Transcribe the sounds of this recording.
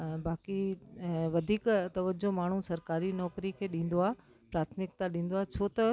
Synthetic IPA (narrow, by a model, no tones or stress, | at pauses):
baːki | ʋɐd̪ʱiːkt̪ɐʋəd͡ʑomaːɳ̤usɐɾkaːɾinɔːkɾikʰeːɗĩːn̆d̪oaːɦ | pɾaːt̪ʰmɪk̚t̪aɗĩːn̆d̪oaːɦt͡ɕʰot̪ɐ